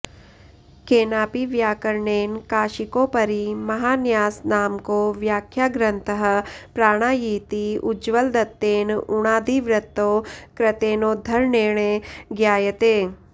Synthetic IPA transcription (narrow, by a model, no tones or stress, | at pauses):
keːnaːpiʋjaːkəɾɳeːnkaːʃɪkõpɐɾimɐɦaːnjaːsnaːmkoːʋjaːkʰjaːɡɾə̃nt̪əɦ̆pɾaːɽ̃aːjiːt̪iʊd͡ʒʋəld̪ɐt̪ːeːnʊɽ̃aːd̪iːʋɾɪt̪ːoːkɾɐt̪eːnoːd̪ʱɐɾneːɳ̃eɡjaːjət̪eː